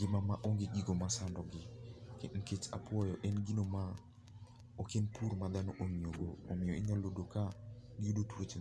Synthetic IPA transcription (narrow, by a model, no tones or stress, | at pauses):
ɡɪmamaʔoŋɡeɡiɡomasandɔɡɪken̩ket͡ʃa̰pwɔjɔʔɛnɡinoma | okenpuɾmad̪anoʔomioɡoːmɪoɪɲalodokaɡɪudotuɾot͡ʃ